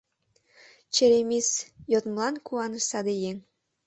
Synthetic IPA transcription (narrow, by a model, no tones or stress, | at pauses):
t͡ɕeɾemisjot̪mlɑnkuɑnəʃɑd̪ejeŋ